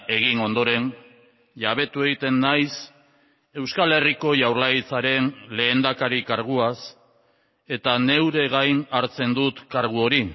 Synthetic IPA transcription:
e̞ɣino̞nd̪o̞ɾe̞n | ʎaβ̞e̞t̪ue̞ɣit̪e̞nːajs | e̞wskale̞riko̞ʝawɾlajit͡saɾe̞nle̞ːnd̪akaɾikaɾɣ̞uas | e̞t̪ane̞wɾe̞ɣajnaɾt͡se̞nd̪ut̪kaɾɣ̞uo̞ɾi

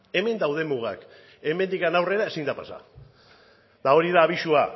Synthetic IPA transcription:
e̞me̞nd̪awð̞e̞muɣ̞a̰k | e̞me̞nd̪ikanawre̞ɾae̞sind̪apasa̰ | d̪ao̞ɾiðaːβ̞iʃua

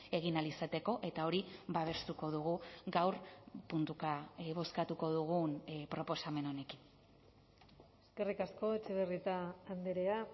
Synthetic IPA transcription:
e̞ɣ̞inalisat̪e̞ko̞ʔe̞t̪ao̞ɾiβaβ̞e̞st̪uko̞ð̞uɣ̞uɡawɾpunt̪ukaβo̞skat̪uko̞ðuɣ̞unpɾo̞po̞same̞no̞ne̞kin | eske̞rikasko̞et͡ʃe̞βerit̪aːnd̪eɾea

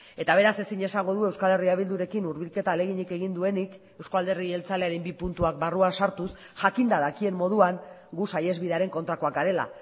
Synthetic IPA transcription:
e̞t̪aβ̞e̞ɾase̞siɲe̞saŋɡo̞ð̞ue̞wskale̞riaβ̞ild̪uɾe̞kinuɾβ̞ilke̞t̪aːle̞ɣ̞iɲike̞ɣ̞ind̪ue̞nik | e̞wskoald̪e̞rie̞lt͡sale̞aɾembipunt̪uak̚baruansaɾt̪us | ʝakind̪aðakie̞mːo̞ð̞uaŋ | ɡusaje̞zβiðaɾe̞ŋko̞nt̪ɾako̞ak̚ɡaɾe̞la̰

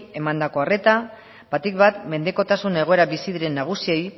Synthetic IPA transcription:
e̞mand̪ako̞are̞t̪a | bat̪ikβat̪me̞nd̪e̞ko̞t̪asune̞ɣ̞o̞eɾaβisiðiɾe̞nːaɣ̞usie̞j

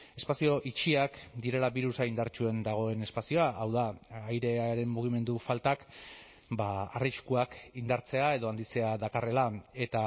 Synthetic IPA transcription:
e̞spasio̞ʔit͡ʃiakd̪iɾe̞laβiɾusaind̪aɾt͡ʃue̞nd̪aɣ̞o̞e̞ne̞spasio̞aʔawðaajɾe̞aɾe̞mmuɣ̞ime̞nd̪ufalt̪ak | baariskuakind̪aɾt͡se̞ae̞ðo̞and̪it͡se̞aðakare̞lae̞t̪a

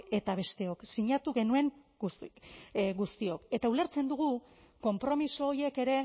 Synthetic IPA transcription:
e̞t̪aβe̞st̪e̞o̞ksiɲat̪uɣe̞nue̞ŋ | ɡust̪io̞ke̞t̪aule̞ɾt͡se̞nd̪uɣ̞u | ko̞mpɾo̞miso̞ːje̞ke̞ɾe̞

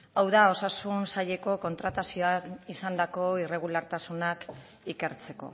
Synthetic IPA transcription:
awðao̞sasunsaʎe̞ko̞ko̞nt̪ɾat̪asio̞aisand̪ako̞ire̞ɣ̞ulaɾt̪asunak | ike̞ɾt͡se̞ko̞̰

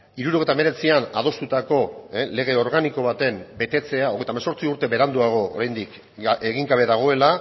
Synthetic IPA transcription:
iɾuɾoɣejt̪aeme̞ɾe̞t͡siana̰ð̞o̞st̪ut̪ako̞ele̞ɣ̞e̞o̞ɾɣaniko̞β̞at̪e̞mbe̞t̪e̞t͡se̞aoɣe̞jt̪amso̞ɾt͡siuɾt̪e̞βe̞ɾand̪uaɣ̞o̞o̰ɾajnd̪ik | e̞ɣiŋɡaβe̞ðaɣ̞o̞e̞la

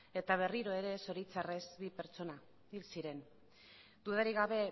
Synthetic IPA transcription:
e̞t̪aβ̞e̞riɾo̞e̞ɾe̞so̞ɾit͡sarezbipe̞ɾt͡so̞na | ilsiɾe̞n | d̪uðaɾiɣaβ̞e̞

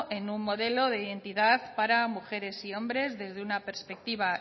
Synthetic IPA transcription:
ʔe̞numːo̞ðe̞lo̞ðe̞iðe̞nt̪iðaθpaɾamuxe̞ɾe̞sio̞mbɾe̞zðe̞zðeunape̞ɾspe̞k̚t̪iβa

